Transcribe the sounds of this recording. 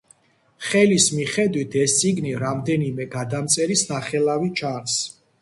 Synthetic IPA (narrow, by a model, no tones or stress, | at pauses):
χɛlismiχɛd̪wit̪ʰɛst̪sʼiɡniɾamd̪ɛnimɛɡad̪amt̪sʼɛɾisnaχɛlˠavit͡ʃʰaɾs